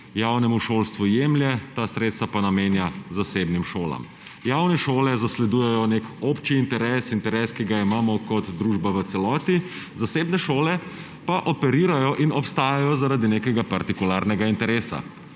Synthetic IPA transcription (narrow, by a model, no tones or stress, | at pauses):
jawnɛmuʃoːlst̪ʋujeːmljɛt̪asɾeːt̪st̪ʋapanameːnjazaseːbnimʃoːla̰m | jawnɛʃoːlɛzaslɛd̪uːjɛjɔnekoːpt͡ʃiːnt̪ɛɾɛsint̪ɛɾɛskiɡaimaːmɔkɔt̪d̪ɾuːʒbaʋət̪sɛlɔːt̪i | zaseːbnɛʃoːlɛ | paʔɔpɛɾiːɾajɔʔinɔpst̪aːjajɔzaɾad̪ineːkɛɡapaɾt̪ikulaɾnɛɡaint̪ɛɾeːsa̰